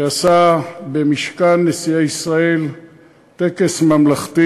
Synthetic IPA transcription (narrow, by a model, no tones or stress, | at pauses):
easabemiʃkanːesiaisʁae̞l | t̪e̞ke̞smamlaχt̪i